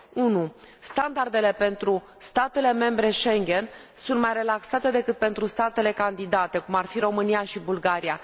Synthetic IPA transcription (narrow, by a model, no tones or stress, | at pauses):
unu | st̪and̪ard̪e̞le̞pe̞nt̪ɾu | st̪at̪e̞le̞me̞mbɾe̞ʃe̞ŋɡʲe̞n | sunt̪majre̞laksat̪e̞d̪e̞kɨt̪̚pe̞nt̪ɾust̪at̪e̞le̞kand̪id̪at̪e̞kumarfiro̞mɨnijaʃibulɡaɾia